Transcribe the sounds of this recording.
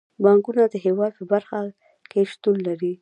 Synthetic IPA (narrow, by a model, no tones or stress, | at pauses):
bɑŋkunad̪əɦewɑd̪̚pəbaɾxa | keʃt̪unlaɾi